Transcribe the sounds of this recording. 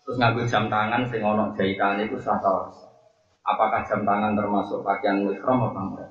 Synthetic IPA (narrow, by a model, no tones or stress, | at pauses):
t̪ɾʊsŋaŋɡud̥ʒ̥a̤mt̪aŋansɪŋɔnɔʔd̥ʒ̥a̤it̪aɲeik̪usat̪aɾɔs | ʔa̰pakahd̥ʒ̥a̤mt̪aŋant̪ərmasʊkpakianuɪhɾɔmɔpam